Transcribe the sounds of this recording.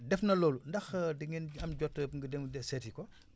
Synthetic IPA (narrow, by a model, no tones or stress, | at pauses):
dɛfnɐlɔːlundɐxdiŋɛnɐmɟɔtːəŋɡədɛmdɛsɛtikɔ